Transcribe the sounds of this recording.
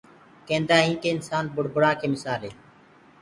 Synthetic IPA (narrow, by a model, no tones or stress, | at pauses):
kẽːnd̪aːɦĩːkeːɪnsaːnbʊɽ̤bʊɽaːkʰeːmɪsaːlɦeː